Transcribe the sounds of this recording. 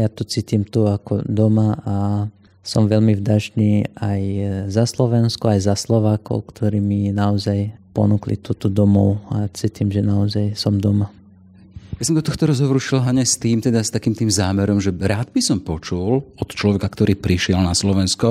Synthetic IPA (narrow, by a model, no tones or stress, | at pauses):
jat̪ɔt͡siːt̪imt̪uakɔ̰d̪ɔmaa | sɔmʋɛlmivdaʒniːajzaslɔʋɛnskuajzaslɔʋaːkɔ̰ʊkt̪ʰɔɾiːminaɔzajpɔ̰nuklḭt̪uːt̪ɔd̪ɔmɔʊat͡siːt̪iːmʒɛnaɔzajsɔmd̪ɔma | jasɔmd̪ɔt̪ɔxt̪ɔɾɔzɦɔʋɔɾuʃilɦaɲɛst̪iːmt̪ɛd̪ast̪akiːmt̪iːmzaːmɛɾɔmʒɛɾaːd̪bisɔmpɔt͡ʃulɔt̪t͡ʃlɔʋɛkakt̪ɔɾiːpɾiʃɪɛlnaslɔʋɛnskɔ